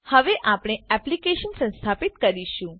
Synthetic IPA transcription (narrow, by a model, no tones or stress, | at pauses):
həʋeʔapɽ̃eɛplikeʃənsə̃nst̪ʰapit̪kəɾiʃũ